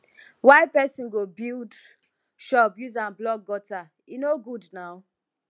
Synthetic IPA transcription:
waɪpɛsĩnɡobild | ʃɔpjuzãnblɔk̚ɡɔta | inoɡudnaʊ

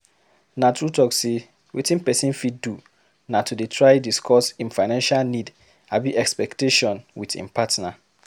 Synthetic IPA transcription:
natutɔkse | wʔḛtĩnpɛsĩnfiddu | natʰudetʰɹajdiskʰɔsĩnfaɪnãnʃalnid | abiʔɛkspɛkteʃɔ̃nwitḭ̃mpatna

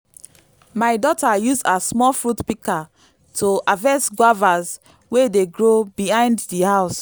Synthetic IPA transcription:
maɪdɔtajuzasmɔlfɹutpika | tʰoavɛsɡwavaz | wedeɡɹobiɦãɪ̃nddihaʊs

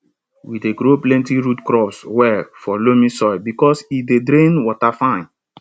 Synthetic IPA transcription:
wideɡɾoplɛ̃ntiɹutkɾɔpswɛfɔlomĩsɔɪbikɔsidedɾẽnwɔtafãɪ̃n

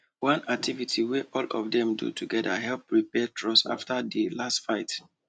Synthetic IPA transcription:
wãnak̚tʰivitʰiweʔɔlɔvdɛ̃mdṵtʰuɡɛdaɦɛlpɹipɛtʰɹɔsa̰ftʰadilastfaɪt

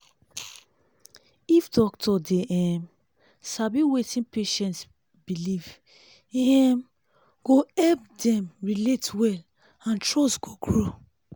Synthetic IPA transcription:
ifdɔk̚tʰɔdeɛm | sabiwetĩnpeʃɛ̃nts | biliv | ɛɛm | ɡ̥oɛp̚dɛ̃mɹiletwɛl | ãntɹɔsɡ̥oɡɹo

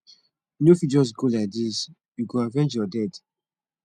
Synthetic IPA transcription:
nofid͡ʒɔs̬ɡolaɪk̚dis | juɡoavɛ̃nd͡ʒjɔdɛd

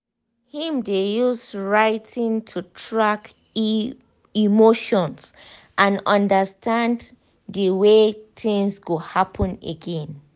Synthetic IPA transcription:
hĩmdejusɹaɪtʰĩntʰutʰɹak | imoʃɔ̃ns | ʔãnɔ̃ndəstʰãnd | dəwetĩŋsɡohapʰɔ̃nḛɡɛ̃n

